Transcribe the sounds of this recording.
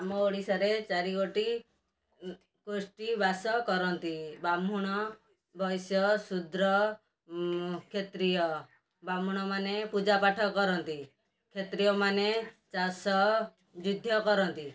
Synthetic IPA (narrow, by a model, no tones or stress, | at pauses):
amɔoɽisɔɾet͡ʃaɾikoʈi | kosʈibasɔkɔɾɔnt̪ibamuɽ̃ɔ | bʱɔjsɔsud̪ɾɔ | kʰet̪ɾijɔ | bamuɽ̃ɔmanepud͡ʒapaʈʰɔkɔɾɔnt̪i | kʰet̪ɾijɔmanet͡ʃasɔ | d͡ʒud̪ʱjɔkɔɾɔnt̪i